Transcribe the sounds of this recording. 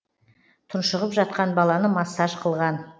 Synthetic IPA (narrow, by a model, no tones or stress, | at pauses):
t̪ʰʊnʃəʁəpʒɑt̪̚qɑnbɑlˠɑnəmɑsːɑʃqʰəlˠʁɑn